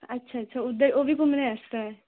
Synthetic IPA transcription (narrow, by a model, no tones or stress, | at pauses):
ətːʃʰaːətːʃʰaʊd̪əɾoːbʱikʊmnẽəst̪aɛː